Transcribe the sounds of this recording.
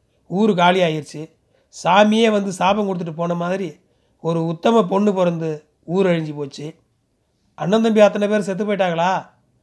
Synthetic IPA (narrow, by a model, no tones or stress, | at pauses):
uːɾɯk̬aːlɪjaːjɪɾɯt͡ʃːɯ | saːmɪjeːʋɐnd̪ɯsaːbɐŋkɔɽɯt̪ːɯʈːɯpoːnɐmaːðɪɾi | ɔɾɯʊt̪ːɐmɐp̬ɔɳːɯpɔɾɐnd̪ɯ | uːɾɐɻɪɲd͡ʒipoːt͡ʃːɯ | ɐnːɐnd̪ɐmbiɐt̪ːɐnɐpeːɾs̬ɛt̪̬ːɯpːɐjʈːaːŋɡɐɭaː